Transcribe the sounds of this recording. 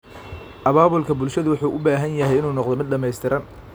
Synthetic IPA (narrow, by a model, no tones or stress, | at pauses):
ʔɐβaːβʊlkʰɐbʊlʃɐðʊwʊħuːʔʊbaːɦɐnjɐɦɛjɪnuːnɔqðɔmɪd̪̚ɖɐmɛjst̪ʰɪɾɐn